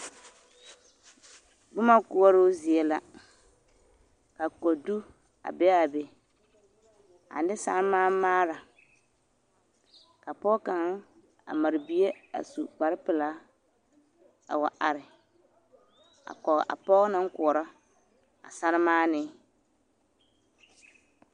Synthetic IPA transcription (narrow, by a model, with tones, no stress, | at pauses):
ɡ͡bʊ˦ma˦kʊ˦ɔ˦ɾo˦zi˨ɛ˦la˦ | ka˨kɔ˨du˦ | a̰˨bɛ˦a˨be˨ | a̰˨n˦dɪ˦sa˦ɾmaː˦maː˦ɾa˨ | ka˨pɔ˦ka˨ŋ˦ | a̰˨ma˨ɾɪ˨bi˦e˦a̰˨su˨k͡pa˨ɾɪ˦pɪ˨la˦ | a̰˨wa̰˨ʔa˨ɾɪ˨ | a̰˨kɔ˨ɣʔa̰˨pɔ˦ɣna˦ŋ̩˦kʊ˨ɔ˨ɾɔ˦ | a̰˨sa˦ɾɪ˦maː˦nɪ˦